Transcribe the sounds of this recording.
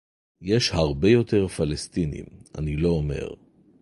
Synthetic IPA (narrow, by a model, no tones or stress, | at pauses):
jeʃhaʁbe̞jo̞t̪e̞ʁfalest̪inḭma̰nilo̞ːme̞̰ʁ